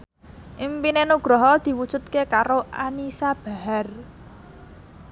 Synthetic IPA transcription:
ʔimpinenuɡ̥ɾɔɦɔd̪̥i̤wud̥ʒ̥ṳt̪̚kekaɾoʔanisab̥a̤ɦar

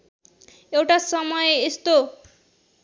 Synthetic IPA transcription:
ewʈasʌmʌjest̪o

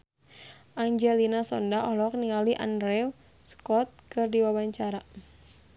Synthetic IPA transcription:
ʔaɲd͡ʒɛlinasɔndaɔɦlɔk̚niŋaliʔa̰ndɾɛu | skɔt̪̚kɨrdiwawaɲt͡ʃaɾa

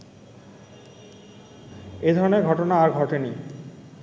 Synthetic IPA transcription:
ed̪ʱɔɾoneɡʱɔʈonaːɾɡʱɔʈeni

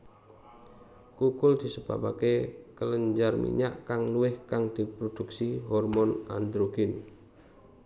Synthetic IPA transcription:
kukʊld̪̥i̤səb̥a̰ba̰kekələɲd͡ʒarmḭɲa̰ʔkaŋluɪhkaŋd̪̥ipɾod̥uksiɦɔrmɔna̰nd̪ɾoɡɪn

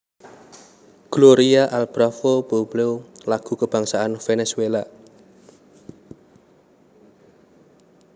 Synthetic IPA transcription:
ɡ̥loɾiaʔalb̥ɾafob̥obleolaɡ̥ṳkəb̥a̤ŋsaanfenɛswela

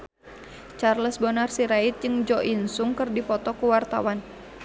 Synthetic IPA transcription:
t͡ʃarləsbɔnarsiɾait̪̚d͡ʒɨŋd͡ʒɔʔinsuŋkərdipɔt̪ɔkuwart̪a̰wan

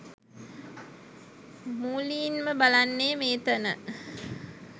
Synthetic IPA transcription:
muːliːnməbalanːeːmeːt̪ɐnə

